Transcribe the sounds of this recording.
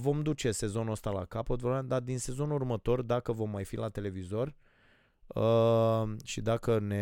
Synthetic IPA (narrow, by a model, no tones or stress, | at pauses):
vo̞md̪ut͡ʃe̞se̞zo̞nuəst̪ala̰kapət̪voɾd̪ad̪inse̞zo̞nurmət̪o̞rd̪akəvo̞mːajfilat̪e̞le̞vizo̞r | ə | ʃid̪akəne